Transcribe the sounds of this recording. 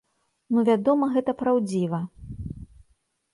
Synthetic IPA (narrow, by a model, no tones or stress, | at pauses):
nuvʲad̪ɔmɐɣɛt̪ɐpɾawd͡zʲivɐ